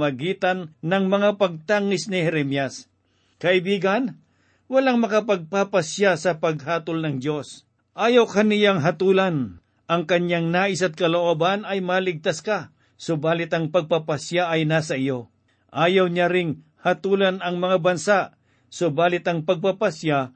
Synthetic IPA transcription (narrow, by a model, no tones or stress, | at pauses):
mɐɡiːt̪ɐnːɐŋmɐŋapɐɡ̚t̪aːŋɪsnɪhɛɾɛmjas | kɐʔɪbiːɡɐn | wɐlaŋmɐkɐpɐɡ̚papɐsjasɐpɐɡ̚ɦaːt̪olnɐŋdjo̞s | ʔaːjawkanɪjaŋɦɐt̪uːlɐn | ʔɐŋkɐɲaŋnaːʔɪsɐt̪̚kɐloʔoːbanɐjmalɪɡ̚t̪aska | sobaːlɪt̪ɐŋpɐɡ̚papɐsjaʔɐjnasɐʔɪjo̞ | ʔaːjawɲaɾɪŋ | hɐt̪uːlɐnɐŋmɐŋabɐnsaʔ | sobaːlɪt̪ɐŋpɐɡ̚papasja